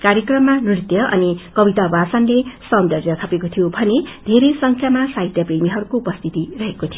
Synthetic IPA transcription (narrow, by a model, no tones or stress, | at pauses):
karjʌkrʌmːanrit̪jʌʔʌ̰nikʌbit̪abasʌnlesʌnd̪ʌrdjʌt̪ʰʌpekot̪ʰijobʱʌned̪ʱeɾesʌŋkʰjamasaɦit̪jʌpremiɦʌɾukoupʌst̪ʰit̪irʌɦekot̪ʰijo